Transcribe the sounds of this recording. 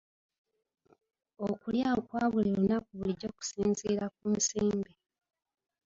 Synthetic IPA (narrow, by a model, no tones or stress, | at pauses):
okuljaokwaːβulilunakuβuliɟo̞ːku̥siːnziɾak̚uːnsiːmbi